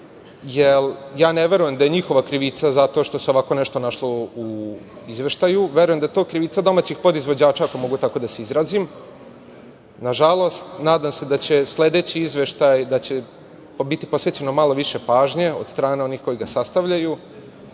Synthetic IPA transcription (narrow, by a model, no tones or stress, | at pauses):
jeljaːneʋe̞ɾuje̞md̪aje̞ɲixo̞ʋakɾiʋit̪sazat̪o̞ʃt̪o̞seoʋako̞neʃt̪o̞naʃlouizʋe̞ʃt̪ajuʋe̞ɾujemd̪ajet̪o̞ːkɾiʋit̪sad̪o̞maːt͡ɕixpo̞d̪izʋo̞d͡ʑaːt͡ʃaako̞mo̞ɡut̪ako̞d̪aseizɾaːzim | naʒalˠo̞st̪naːd̪amse̞d̪at͡ɕe̞sle̞d̪et͡ɕiizʋe̞ʃt̪ajd̪at͡ɕe | bit̪ipo̞sʋet͡ɕe̞no̞malo̞ʋiʃe̞paːʒɲe̞o̞d̪st̪ɾaːne̞o̞nixko̞jiɡasast̪aʋʎaju